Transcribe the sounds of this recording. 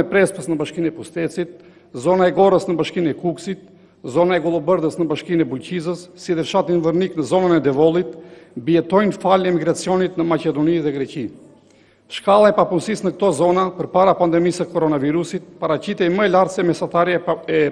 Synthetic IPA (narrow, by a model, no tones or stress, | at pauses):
ɛpɾɛspəsnəbaʃkinɛpust̪ɛt͡sit̪̚ | zɔnaɛɡɔɾəsnəbaʃkinɛkuksit̪̚ | zɔnaɛɡɔlˠɔbəɾðəsnəbaʃkinɛbulcizəsːid̪əɾʃat̪invəɾniknəzɔnənɛd̪ɛvɔlˠit̪biɛt̪ɔjnfalɛmiɡɾat͡siɔnit̪nəmacɛd̪ɔniðɛɡɾɛci | ʃkalˠaɛpapunsisnək̚t̪ɔzɔnapəɾpaɾapand̪ɛmisəkɔɾɔnaviɾusit̪̚paɾat͡ɕit̪ɛməɛlaɾsɛmɛsat̪aɾɛ